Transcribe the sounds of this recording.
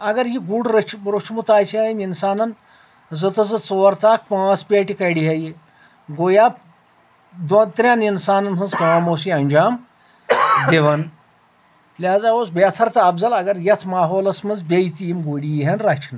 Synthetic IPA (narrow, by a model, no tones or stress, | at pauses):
ɐɡɐɾjiɡuɖɾɐt͡ʃʰɾut͡ʃʰmut̪aːjsiaːjiminsaːnɐn | zɨt̪ɐzɨt͡soːɾt̪aːk̚pãːt͡spʲeːʈikɐɽiɦɐji | ɡojaːp̚ | d̪ont̪ɾʲjaːninsaːnɐnɦɨnzkɐaːmoːs̬iɐnʲd͡ʒaːm | d̪iʋɐn | lʲaːzaːoːsbʲeːt̪ʰɐɾt̪ɐɐbzɐlɐɡɐɾjɐt̪ʰmaːɦoːlɐsmɐnzbʲejit̪iimɡoɽijiɦɐnɾɐt͡ʃʰn